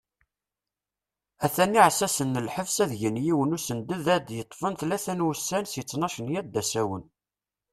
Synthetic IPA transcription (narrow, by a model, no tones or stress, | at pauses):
æθænːiʕsæsənːəlħəvsæðʝənjiwənusənd̪əðæd̪jət̪ˤːfənθlæθænwəsːænsjət͡sːnɑʃənjæd̪ːæsæwən